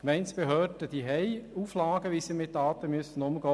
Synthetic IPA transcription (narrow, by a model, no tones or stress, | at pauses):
kmɛɪntsb̥eɦøːd̥əd̥iːɦɛɪuːflɑːɡəʋisimɪt̚dɑːt̪əmyəsən̩ʊmɡɔː